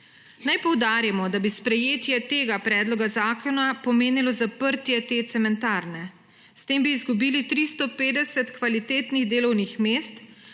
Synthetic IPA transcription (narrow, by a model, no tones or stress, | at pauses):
najpɔwd̪aːɾjamɔd̪abispɾɛjeːt̪jɛt̪eːɡapɾɛːd̪lɔɡazaːkʰɔnapɔmeːnilɔzapəɾt̪jɛt̪et̪sɛmɛnt̪aɾnɛ | st̪eːmbiːzɡubiːlit̪ɾist̪ɔpeːd̪ɛsɛt̪kʋalit̪eːt̪niɣd̪eːlɔwnixmeːst̪